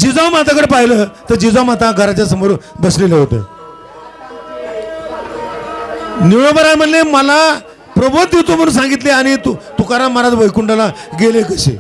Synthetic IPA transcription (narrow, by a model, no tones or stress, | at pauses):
d͡ʑid͡zawmat̪ʰakəɽpaɦiləːt̪əɾd͡ʑid͡zamat̪ʰaɡʱəɾat͡ɕjasəmoɾbəsleleɦot̪ḛː | niə̃ʋəɾajm̤əɽleməla | pɾəbod̪ʱːit̪um̤əɽunsãŋɡit̪leaɽ̃it̪ut̪ukaɾamaɾat̪ʋəjkuɳɖalaɡelekəɕḛ